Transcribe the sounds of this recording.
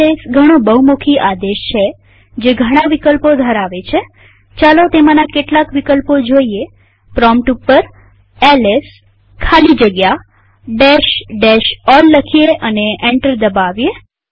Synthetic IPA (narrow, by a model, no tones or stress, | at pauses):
esɡʱəɽ̃obəɦumokʰiʔad̪eʃt͡ʃʰe | d͡ʒeɡʱəɽ̃ãʋikəlpod̪ʱəɾaʋet͡ʃʰe | t͡ʃalot̪emanakeʈlakʋikəlpod͡ʒoie | pɾɔmʈupːəɾ | ɛles | kʰalid͡ʒəɡja | ɖeʃɖeʃɔlːəkʰieʔəneʔẽɳʈəɾd̪əbaʋje